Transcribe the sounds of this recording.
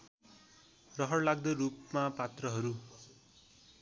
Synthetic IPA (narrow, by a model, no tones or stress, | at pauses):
rʌɦʌrlaɡ̚d̪ʌɾup̚mapat̪rʌɦʌɾu